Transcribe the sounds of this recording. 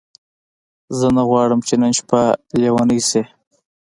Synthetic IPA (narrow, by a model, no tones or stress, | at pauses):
zənaɣwɑɽəmt͡ʃenənʃpalewanəjse